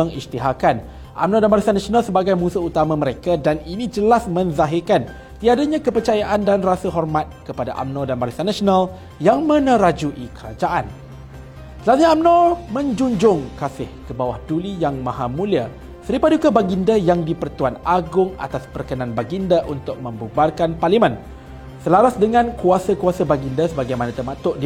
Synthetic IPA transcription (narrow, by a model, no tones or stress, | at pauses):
əŋist̪iɦakan | ʔa̰mnɔdanbaɾisanasionalsəbaɡajmũsuut̪amãməɾekadaninĩd͡ʒəlasmə̃nzaɦɪrkan | t̪iadaɲãkəpərt͡ʃajaʔandanrasəɦɔrmat̪̚kəpada̰ʔa̰mnɔdanbaɾisanasonal | jaŋmə̃nə̃ɾad͡ʒuʔikəɾa̰d͡ʒaʔan | səlaɲaamnɔmə̃ɲd͡ʒuɲd͡ʒʊŋkasɪhkəbawahdulijaŋmãɦamũlia | səɾipadukabaɡindajaŋdipərt̪uanaɡʊŋa̰t̪aspərkənãnbaɡindaʔunt̪ʊk̚mə̃mbubarkanparlimə̃n | səlaɾasdəŋãnkuasakuasabaɡindasəbaɡajmanãt̪əmãt̪ʊʔd